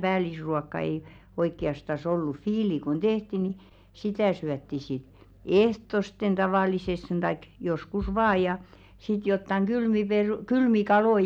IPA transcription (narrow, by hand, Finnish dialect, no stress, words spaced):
b̥æːlisruɑkːɑ ei oikːiɑstɑs olːu fiːli kun tehti ni sitæˑ syætːi sit ehtosten tɑʋɑˑliseste̥n̥ tɑik joskus ʋɑːj jɑ sit jotːɑŋ ɡ̊ylmi peru kylmi kɑloi